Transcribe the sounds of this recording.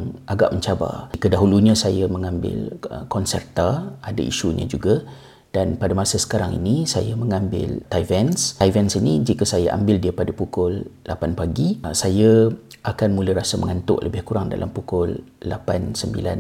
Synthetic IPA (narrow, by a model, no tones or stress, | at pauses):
ŋʔaɡa̰ʔməɲt͡ʃaba̰kədaɦuluɲãsajəməŋãmbɪ̰ləkɔnsɛrt̪aada̰ḭʃuɲa̰d͡ʒuɡa | d̥anpadamasəsə̥kaɾaŋḭnisa̰jaməŋãmbɪ̰lt̪ajvɛnsavɛnsinid͡ʒikəsajaʔa̰mbɪldiəpadapukʊllapanpaɡisajə | ʔakanmuləɾasəmə̰ŋant̪ʊ̰ʔlʔəbɪhkuɾaŋda̰lʔampukʊlːapansəmbḭlan